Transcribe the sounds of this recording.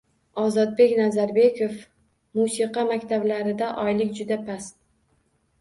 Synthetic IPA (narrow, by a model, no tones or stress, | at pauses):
ɒzɒd̪̚be̞kʲnazaɾbe̞kʰof | musiqɑmakʲt̪ʰablaɾɪd̪aʔɒjlɪkʲd͡ʒʊd̪apʰast̪